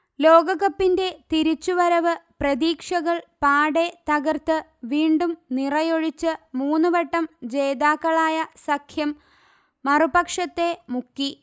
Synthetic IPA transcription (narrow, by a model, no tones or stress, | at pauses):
lo̞ːɡɐɣɐpːinde̞t̪iɾut͡ɕːuʋɐɾɐʋɨprɐðiːkʂɐɣɐɭpaːɽe̞t̪ɐɣɐrt̪ːɨʋiːɳɖumnirɐjoɻit͡ɕːɨmuːnːɨʋɐʈːɐmd͡ʑe̞ːd̪aːkːɐɭaːjɐsɐkʰjɐmː | ɐrubɐkʂɐt̪ːe̞mukːi